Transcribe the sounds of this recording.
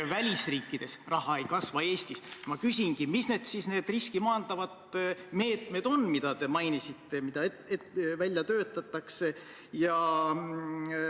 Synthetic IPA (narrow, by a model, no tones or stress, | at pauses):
vælʲisriːkːˑid̥̪e̞srɑɦɑejkɑsvɑe̞ːst̪ismɑkysʲinɡ̥imisne̞d̪̥sisne̞ːd̪̥riskimɑːnd̪̥ɑvɑd̪̥me̞ːt̪me̞d̪̥o̞nmid̪̥ɑt̪e̞mɑjnisit̪ːe̞mid̪ɑ | evælʲjɑt̪ø̞ːt̪ːˑɑt̪ːˑɑkse̞ | jɑ